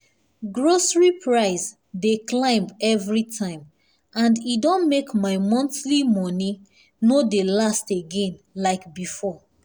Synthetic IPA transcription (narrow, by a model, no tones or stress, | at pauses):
ɡɹosɹipʰɹaɪs | deklãɪ̃mɛvɹitʰãɪ̃m | ãndidɔ̃nmekmaɪmɔ̃nθlimɔni | nodelasteɡẽnlaɪkbifɔ